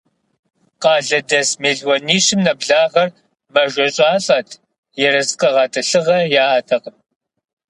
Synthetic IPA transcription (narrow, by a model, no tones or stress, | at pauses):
qɑːɮɐdɐsmeːɮwɐniːʃɪmnɐbɮaːʁɐr | mɐʒʷɐɕʼaːɬʼɐːtʰ | jɛɾɐsqʼɐʁɑːtʰʼɐɬɨʁɐjaːaːtʰɐqəm